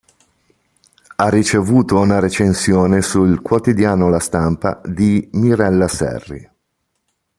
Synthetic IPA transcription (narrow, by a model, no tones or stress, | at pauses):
arːit͡ʃevuːt̪ounaɾet͡ʃensjoːnesulkwot̪id̪jaːnolast̪ampa̰d̪imiɾɛlːasɛ̰rːḭ